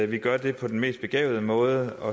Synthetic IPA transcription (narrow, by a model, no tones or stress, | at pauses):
ʋiɡ̥ɶɐd̥e̝pʰɒ̽d̥enme̝̰ːsd̥̚b̥e̝ɡ̥ɛ̰ːʊð̩ˠəmɔ̽ːð̞ˠəɒ̽